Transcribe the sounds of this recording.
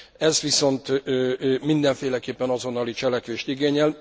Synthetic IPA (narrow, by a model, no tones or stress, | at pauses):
ɛzʋiso̞nt̪ː | mind̪ɛɱfeːlɛkeːpːɛnɒzo̞nːɒlit͡ʃɛlɛkʋeːʃt̪iɡeːɲɛl